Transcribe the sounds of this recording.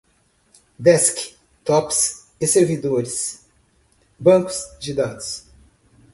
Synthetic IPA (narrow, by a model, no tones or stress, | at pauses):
d̪ɛsk | t̪ɔps | ɪseɾvid̪oɾɪs | bɐ̃kʊ̥sd͡ʒid̪ad̪ʊs